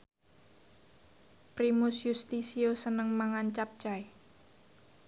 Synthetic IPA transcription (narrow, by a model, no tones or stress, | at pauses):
pɾimʊsjust̪isiosənəŋmaŋant͡ʃap̚t͡ʃae